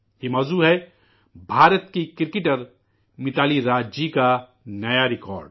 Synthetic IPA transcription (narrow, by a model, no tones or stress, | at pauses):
jeːmɔːzuːɦɛ | bʱaːɾət̪kikɪɾkɪʈəɾ | mɪt̪aːliɾaːd͡ʒd͡ʒika | nɐjaɾɪkɔ̰ːɾɖ